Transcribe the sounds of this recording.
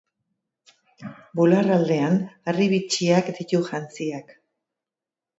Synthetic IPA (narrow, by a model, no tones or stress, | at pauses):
bularald̪e̞anariβit͡ʃiakd̪it̪uʝant͡siak